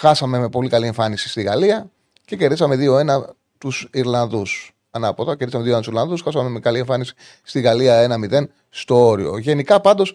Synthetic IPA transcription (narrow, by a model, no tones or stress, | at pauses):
xɐsɐme̞me̞po̞likɐlie̞ɱfɐnisi̥st̪iɣɐliɐ | ce̞ce̞ɾðisɐme̞ðio̞e̞nɐ | t̪usiɾlɐnðus | ɐnɐpot̪ɐceɾðisɐmeðioeɐt̪usiɾlɐnðusxɐsɐme̞mekɐlie̞ɱfɐnisi̥ | st̪iɣɐliɐe̞nɐmiðe̞n | st̪o̞oɾio̞̰ʝe̞nikɐpɐnd̪o̞s